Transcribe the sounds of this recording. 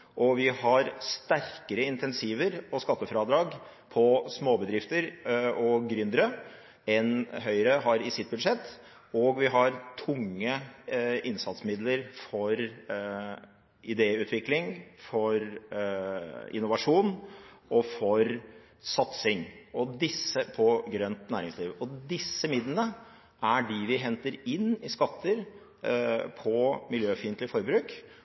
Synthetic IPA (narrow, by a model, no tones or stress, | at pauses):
ʔɔʋɪhɑɾst̪æɾkəɾəɪnt̪ʰɛnsiːʋəɾɔskɑt̪ːəfɾɑːd̪ɾɑːɡ | pʰɔsmoːbəd̪ɾɪft̪əɾɔɡɾʏnd̪əɾə | ɛnɦœʏɾəɦɑɾɪsɪt̪̚bʉd̪ʂɛt̪ː | ɔɡʋɪɦɑɾt̪ʰʊŋːə | ɪnsɑt̪smɪd̪ləɾfɔɾ | ʔɪd̪eːʉːt̪ʰʋɪklɪŋfɔɾ | ʔɪ̰nːʊʋɑʂuːn | ɔfɔɾ | sɑt̪sɪŋɔd̪ɪsːəpʰɔɡɾœnt̪næːɾɪŋsliːʋɔd̪ɪsːəmɪd̪lənə | ʔæɖɪʋɪɦɛnt̪əɾɪnːɪskɑt̪ʰːəɾ | pʰɔmɪljøːfɪnt̪lɪfɔɾbɾʉːk